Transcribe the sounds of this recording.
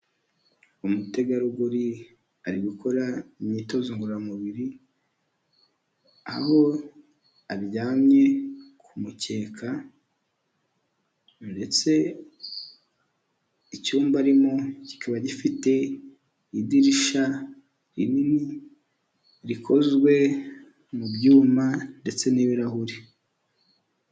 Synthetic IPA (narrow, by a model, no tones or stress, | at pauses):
umute̞ɡaɾuɡuɾi | aɾiɡukʰo̞ɾaimɲito̞ziŋɡuɾamuβiɾi | a̰ho̞ | aβɟaːmɲe̞kʰumuce̞ːkʰa | nde̞t͡se̞ | icuːmbaɾimoci̥kʰaβaɟifite̞ | idiɾiʃa | ɾinini | ɾikʰo̞zɡwe̞ | mubɟuːmande̞t͡se̞niβiɾaɦuɾi